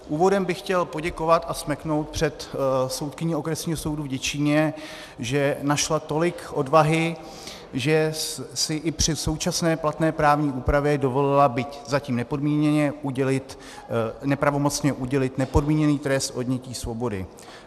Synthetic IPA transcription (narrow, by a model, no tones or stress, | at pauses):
ʔuːvo̞dɛmbɪxcɛlpo̞ɟɛko̞vat̪asmɛkno̞wt̪̚pr̝̥ɛt̪so̞wt̪kɪɲio̞kɾɛsɲiːɦoso̞wduvɟɛt͡ʃɪɲɛ | ʒɛnaʃlat̪o̞lɪkʔo̞dvaɦɪ | ʒɛsɪʔɪpr̝̥ɪso̞wt͡ʃasnɛːplat̪nɛːpɾaːvɲiːʔuːpɾavjɛdo̞vo̞lɪlabɪczaciːmnɛpo̞dmiːɲɛɲɛɛlɪt̪ | nɛpɾavo̞mo̞t͡sɲɛʔuɟɛlɪt̪nɛpo̞dmiːɲɛniːt̪ɾɛst̪ʔo̞dɲɛciːsvo̞bo̞dɪ̰